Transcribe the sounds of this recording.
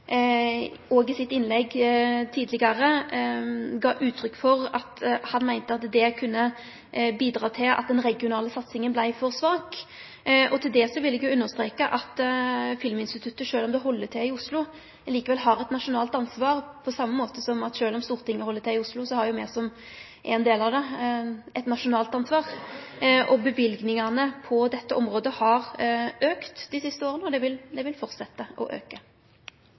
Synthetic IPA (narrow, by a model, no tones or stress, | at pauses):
ɔɡɪsɪt̪ːɪnlɛɡt̪ʰiːd̪lɪɡɑɾə | ɡɑːʔʉːt̪ʰːɾʏkːfɔʁɑt̪hɑnmæɪnt̪əɑt̪d̪ɛkʰʉnːə | biːd̪ʁɑːt̪ʰɪlʔɑ̰t̪̚d̪ɛnɾɛɡɪʊnɑːləsɑt̪sɪŋənblæɪfɔʁsʋɑːk | ʔɔt̪ʰɪld̪ɛsɔʋɪlːɛɡjʊʉnːəʁst̪ʁeːkəʔɑt̪fɪlmɪnst̪ɪt̪ʰʉt̪ːəʂøːlɔmd̪ɛɦɔlːət̪ʰɛɪʊslʊ | liːkəʋɛlɦɑʁɛt̪nɑʂʊnɑːlt̪ɑnsʋɑːʁpʰɔsɑmːəmoːt̪əsɔmɑt̪ʂøːlɔmst̪uːʁt̪ʰɪŋːəhɔlːət̪ʰɛɪʊslʊsɔhɑɾjʊmḛːsɔm | ʔɛnd̪eːlɑʋd̪ɛ | ɛt̪nɑʂʊnɑːlt̪ɑnsʋɑːʁ | ʔɔbəʋɪlɡnɪŋɑnəpʰɔd̪ɛt̪ːəʔɔmʁoːd̪əhɑʁøːkt̪d̪ɪsɪst̪əoːʁənəɔd̪ɛʋɪld̪ɛʋɪlfɔʁt̪sɛt̪ːəʔɔ̰ʔø̰ːkə